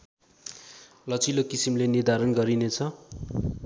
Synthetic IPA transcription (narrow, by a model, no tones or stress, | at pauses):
lʌt͡silokisimlenird̪ʱaɾʌnɡʌɾinet͡sʰʌ